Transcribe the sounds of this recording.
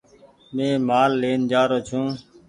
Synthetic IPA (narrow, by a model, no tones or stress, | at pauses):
mẽːmaːlːeːnd͡ʒaːɾoːt͡ʃʰũː